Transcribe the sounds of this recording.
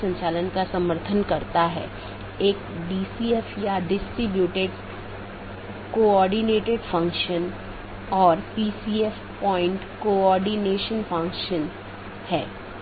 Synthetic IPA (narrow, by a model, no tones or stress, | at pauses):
sɐə̃ɲt͡ʃaːlənkasɐməɾt̪ʰənkɐɾt̪aɦɛ̰ | eːk̚ | ɖiːsiɛfjaɖɪsʈɾibjuːʈeɖ | koːɔːɾɖineːʈeɖfɐ̃ŋkʃən | ɔːɾpiːsiɛf | pɔːɪ̃ɳʈkoɔːɾɖineːʃənfʰɐ̃ŋkʃən | hɛː